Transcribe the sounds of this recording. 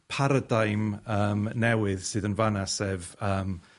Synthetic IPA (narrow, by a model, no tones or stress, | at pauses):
pʰaɾədajməːmnɛwɪð̥sɨːðənvanasɛvəːm